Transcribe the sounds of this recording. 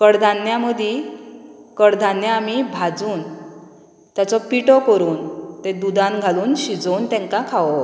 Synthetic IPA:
kəɽd̪ʱanjaməd̪ʱi | kəɽd̪ʱanjaːmibʱad͡zuːn | t̪jat͡sɔpiʈɔkəɾuːnt̪ẽd̪ud̪ãnɡʱaluːnɕid͡zont̪ɛ̃ŋkãkʰaʋɔ

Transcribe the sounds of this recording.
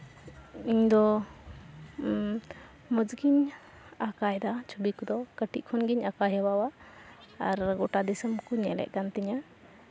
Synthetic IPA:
iɲd̪ɔ | məd͡ʒɡiɲ | akajd̪at͡ʃʰubikud̪ɔkəʈiʔ̚kʰɔnɡiɲakaɦɛwawaː | ɾɡɔʈad̪isəmkuɲɛlɛ̰ʔ̚kant̪iɲa

